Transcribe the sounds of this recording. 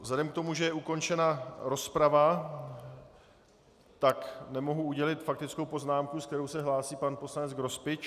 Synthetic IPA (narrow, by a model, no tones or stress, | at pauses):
vzladɛmk̚t̪o̞muʒɛjɛuko̞nt͡ʃɛnaɾo̞spɾava | t̪aknɛmo̞ɦuuɟɛlɪt̪fak̚t̪ɪt͡skowpo̞znaːmkusk̚t̪ɛɾo̞wsɛɦlaːsiːpanpo̞slanɛt͡sɡɾo̞spɪt͡ʃ